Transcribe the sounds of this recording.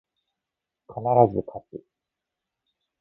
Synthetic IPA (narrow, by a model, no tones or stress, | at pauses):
kʰanaɾazɨkʰat͡sɨ